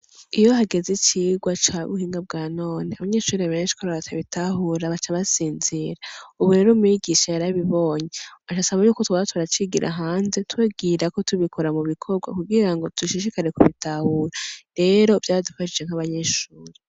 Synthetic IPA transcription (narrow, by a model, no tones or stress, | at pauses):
ijo̞ɦaɡe̞zit͡ʃiɡwat͡ʃaβṵhiːŋɡab̚ɡaːno̞ːneaβaɲe̞ːʃuːɾeaβe̞ːnʃi̥kʰoɾaβatʰaβitʰaɦuɾaβat͡ʃaβasiːnziɾauβuɾe̞ɾomiɡiʃajaɾaβiβo̞ːɲeβat͡ʃasaβajuːkotuoatʰwuɾat͡ʃiɡiɾʔa̰ɦaːnze̞tweːbɡiːɾako̞tuβikʰo̞ɾamuβikʰo̞ɡwa̰kuɡiɾaŋɡo̞tʰuʃiʃikaɾe̞kuβitʰahuːɾaɾe̞ɾo̞v̥jaːdufaʃid͡ʒeŋ̥aβaɲe̞ʃuːɾe